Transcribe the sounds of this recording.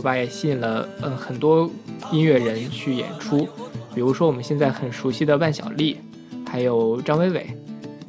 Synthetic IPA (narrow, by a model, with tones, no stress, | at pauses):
ba˧˥jɛ˨˩ɕi˥˩nlə˩ə˧xə˨˩nt̪wɔ˥i˥nɥɛ˥˩ɻə˧˥nt͡ɕʰy˥˩jɛ̰˨˩nʈ͡ʂʰu˥pi˨˩ɻu˧˥ʂwɔ˥wɔ˨˩mə˦nɕjɛ˥˧nt͡sa˥˩ɪxə˨˩nʂu˧˥ɕi˥˩d̪ə˩pa˥˩nɕjɑ̰˨˩ʊli˥˩ | xa˧˥ɪjo˨˩ʊʈ͡ʂɑ˥ŋwe˥ɪwe˨˩˦ɪ